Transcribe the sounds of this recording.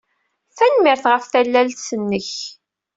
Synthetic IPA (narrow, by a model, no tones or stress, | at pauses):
θænmɪɾθʁəfθælːælt̪sənːəç